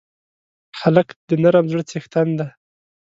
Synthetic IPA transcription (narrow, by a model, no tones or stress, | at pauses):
xaləkd̪ənaɾamzɽt͡sext̪and̪a